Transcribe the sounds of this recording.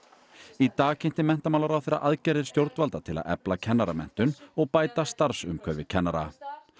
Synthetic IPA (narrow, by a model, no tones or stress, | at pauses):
it̪aːɣcʰejn̥t̪ɪmɛn̥t̪amawlaɾawθejɾːa̰ʔaðcɛːɾðɪɾ̥st̪jowɾt̪nvalt̪at̪ʰɪla̰ðɛ̰placʰɛnːaɾamɛ̰n̥t̪ʏnɔɣpaːjt̪ast̪aɾsʏmkʰœɾvɪ̰cʰɛnːaɾa̰